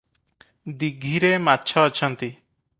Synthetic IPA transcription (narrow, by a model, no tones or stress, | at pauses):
d̪iɡʱiɾematːt͡ʃʰɔat͡ʃʰɔnt̪i